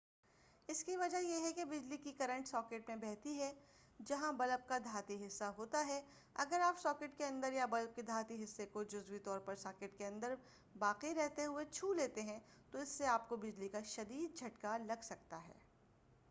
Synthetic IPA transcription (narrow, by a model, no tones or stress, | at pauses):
ɪskiʋɐd͡ʒajeɦɛkebɪd͡ʒlikikɐɾə̃ɳʈsɔːkeːʈmẽbɛɦt̪iɦɛ | d͡ʒɐɦãbɐləp̚kad̪ʱaːt̪iɦɪsːaɦoːt̪aɦɛ | ɐɡəɾaːpsɔːkɪːʈkeɐ̃nd̪əɾjabɐləp̚ked̪ʱaːt̪iɦɪsːekod͡ʒʊzwit̪ɔːɾpɐɾsaːkɪʈkeɐ̃nd̪əɾ | baːqiɾɛɦt̪eɦʊet͡ʃʰuːleːt̪eɦɛ̃t̪oɪsːeaːp̚kobɪd͡ʒlikaʃɐd̪iːd̪̚d͡ʒʱɐʈkalɐɡsɐk̚t̪aɦɛ̰ː